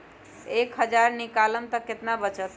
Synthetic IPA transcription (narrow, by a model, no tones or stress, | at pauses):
ekɦəd͡ʒaɾnikaləmt̪əkːet̪nabət͡ʃət̪